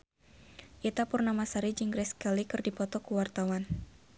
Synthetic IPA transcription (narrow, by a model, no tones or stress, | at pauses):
ʔit̪apʊrnamasaɾid͡ʒiŋɡɾɛskɛlikɨrdipɔt̪ɔkuwart̪awan